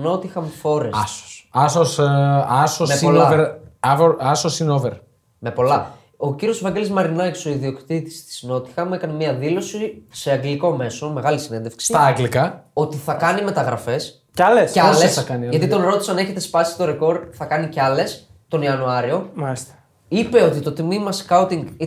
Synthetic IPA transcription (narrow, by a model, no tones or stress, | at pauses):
no̞t̪ixɐmfo̞ɾesso̥sɐsosɐsomepsoloɐveɾɐvoɾɐsosinoveɾ | me̞po̞lɐ | o̞ciɾio̞zvɐɲɟe̞lezmɐɾinɐkso̞iðio̞kt̪it̪i̥st̪i̥sino̞t̪i̥xɐmekɐnemiɐðilo̞sise̞ɐɡliko̞me̞so̞me̞ɣɐlisinend̪e̞fksist̪ɐɐɡlikɐo̞t̪iθɐkɐnime̞t̪ɐɣɾɐfe̞s | cɐlesesɐkɐniʝɐt̪it̪onɾo̞t̪i̥sɐneçe̞t̪espɐsi̥t̪o̞ɾe̞ko̞ɾd̪θɐkɐniceɐle̞s | t̪o̞niɐnuɐɾio̞malist̪e̥ | ipe̞o̞t̪it̪o̞t̪imimɐskɐuwt̪iŋɡ